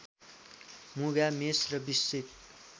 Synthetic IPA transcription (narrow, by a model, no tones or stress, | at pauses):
muɡamesrʌbisːit̪